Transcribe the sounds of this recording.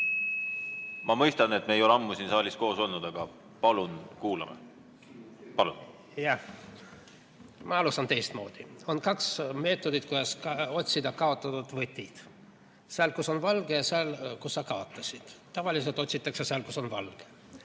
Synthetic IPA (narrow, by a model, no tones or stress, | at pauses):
mɑmɤjst̪ɑne̞t̪meejolɑmːusinsɑːlʲisko̞ːsolnːud̪̥ɑɡ̥ɑ | pɑlunkuːlɑ̰mḛ | pɑlun | jɑ | mɑɑlusɑnt̪e̞jst̪mo̞̰ːd̪̥io̞nkɑksme̞ːt̪ːˑo̞d̪it̪̚kud̪ɑskɑo̞tʲsid̪ɑkɑo̞t̪ːˑɑt̪ud̪̥vɤt̪ʲːid̪̥ | seɑlkuso̞nvɑlɡ̥ejɑseɑlkusːɑkɑo̞t̪ːˑɑsʲid̪̥t̪ːɑvɑlis̬e̞lt̪ot̪ʲsit̪ːˑɑkseseɑlkusonvɑlɡ̥e̥